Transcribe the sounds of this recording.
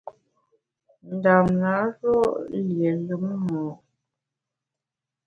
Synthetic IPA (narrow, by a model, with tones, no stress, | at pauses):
n̩˨da˨mna˨˦ɾɔ˦ʔlje˨lu˨˦mmɔ˨